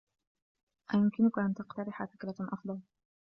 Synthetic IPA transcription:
ʔajʊmkɪnʊkaʔant̪aqt̪aɾɪħafɪkɾaʔɑfd̪ˤɑl

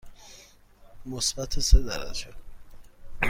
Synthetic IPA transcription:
mosbæt̪ʰesed̪æɾæ̰d͡ʒe

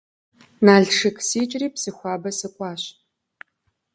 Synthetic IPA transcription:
naːɮʂɨkʰsiːt͡ʃʼriːpsɨxʷɑːbɐsɨkʷʼɑːɕ

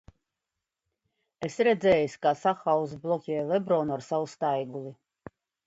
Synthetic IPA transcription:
esɾɛd̪zɛːjisʲkasaxawzblˠɔkʲɛːjlˠɛbɾɔːnuaɾsawust̪ajɡulˠi

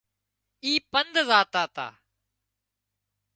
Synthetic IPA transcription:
iːpənd̪zaːt̪aːt̪a̰ː

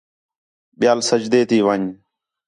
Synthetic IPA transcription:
ɓɪjaːlsəd͡ʒd̪eːt̪ʰiːʋəːɲ

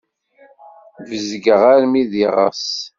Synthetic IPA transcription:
vəzɡəʁaɾmiðiʁə̰s

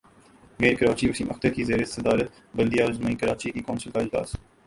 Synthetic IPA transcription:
meːɾkəɾaːt͡ʃiːmʊsĩːmʔəxt̪əɾkizeːɾesəd̪aːɾət̪ | bɐld̪ijaːɾzmaːikəɾaːt͡ʃikikɔːnsəlkaɪd͡ʒla̰ːs

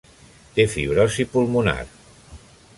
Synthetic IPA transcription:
t̪efiβɾɔsipulˠmuna̰ɾ

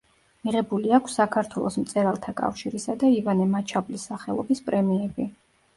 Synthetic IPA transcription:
miʁɛbuliakʷʰsːakʰaɾt̪ʰwɛlˠɔsmt̪sʼɛɾalˠt̪ʰakʼa̰fʃiɾisad̪aivanɛmat͡ʃʰablisːaχɛlˠɔ̰bispʼɾɛmiɛbi

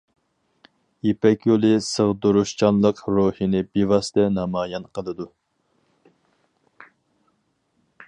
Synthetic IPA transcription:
jepɛkʲjolˠɨsəʁd̪uɾuʃt͡ʃʰɑnlˠəqɾohinɪbivɑst̪ʰɛnɑmɑːjɑnqʰəlˠɨd̪u

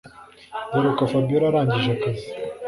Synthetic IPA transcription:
buɾokafabijoɾaɾaːɲɟiʒakazi

